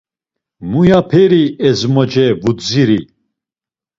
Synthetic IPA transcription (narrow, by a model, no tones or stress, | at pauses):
mujapʰɛɾiɛzmɔd͡ʒɛvud̪ziɾi